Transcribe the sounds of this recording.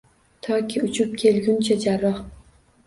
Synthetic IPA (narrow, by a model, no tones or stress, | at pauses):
t̪ʰɒkʲʰiʊt͡ʃʰʊp̚kʲʰe̞lɡʲʊnt͡ʃʰad͡ʒaɾɒq